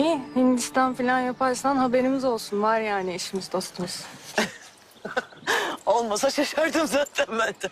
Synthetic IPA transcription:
ihind̪ist̪ʰanfilʲanjapʰaɾsanɦabe̞ɾimizo̞lˠsunvaɾjaːniiʃimizd̪o̞st̪ʰumɯz̥ | olˠmasaʃaʃaɾd̪ɯmzaːt̪ʰænbænd̪ɛ

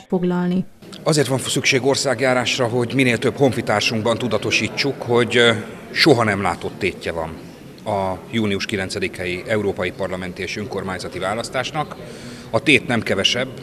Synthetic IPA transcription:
oɡlɒlni | ɒzeːrt̪ʋɒɱfsykʃeːɡo̞rsaːɡjaːɾaːʃrɒɦo̞ɟmineːlt̪øbho̞ɱfit̪aːrʃuŋɡbɒnt̪ud̪ɒt̪o̞ʃiːt͡ʃːukho̞ɟ | ʃo̞ɦɒnɛmla̰ːt̪o̞t̪ːeːcːɛvɒ̰n | ɒjuːniuʃkilɛnt̪sɛd̪ikʰɛjiɛuɾoːpɒjipɒrlɒmɛnt̪ieːʃøŋko̞rmaːɲzɒt̪ivaːlɒst̪aːʃnɒk | ɒt̪eːt̪nɛmkɛvɛʃɛbː

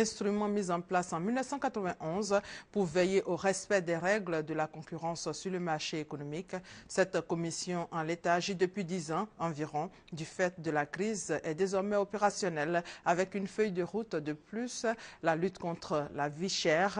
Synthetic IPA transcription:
ɛ̃st̪χymɑ̃mizɑ̃plasɑ̃milnəfsɑ̃kat̪χəvɛ̃ʔɔ̃zpuʁvejeʔoʁɛspɛd̪ɛʁɛɡld̪əlakɔ̃kʲyʁɑ̃ssyʁləmaʁʃeekɔnɔmiksɛt̪kɔmisjɔ̃ʔɑ̃let̪aːʒid̪əpɥid̪izɑ̃ɑ̃viʁɔ̃ | d̪yfɛt̪̚d̪əlakχizɛd̪ezɔʁmɛopeʁasjɔnɛlavɛkynfœjd̪əʁut̪d̪əplyslalyt̪kɔ̃t̪χəlaviʃɛʁ

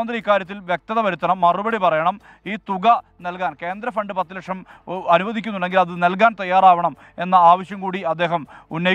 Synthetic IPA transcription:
ɐnd̪riiːkːaːɾjɐt̪ːilʋjek̚t̪ɐðɐʋɐɾut̪ːɐnɐmːɐrubɐɽipɐrɐjɐɳɐm | iːt̪uɣɐnɐlkaːnke̞ːnd̪ɾɐfɐɳɖɨpɐt̪ːilɐkʂɐmɐnuʋɐðʱikʲːunːuɳɖeŋɡilɐðɨnɐlkaːnt̪ɐjːaːraːʋɐɳɐm | e̞nːɐaːʋɐɕjɐmkuːɽiɐd̪ːe̞ːɦɐmunːɐj

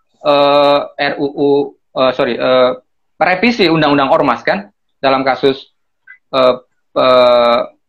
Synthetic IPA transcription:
ʔəɛruʔu | əsoɾiʔəː | pɾefisiundaŋundaŋɔrmaskan | dalamkasʊs | əː | ə

